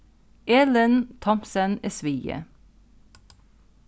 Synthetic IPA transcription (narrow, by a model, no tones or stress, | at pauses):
ʔeːlənt̪ʰɔmpsənesʋiːə̰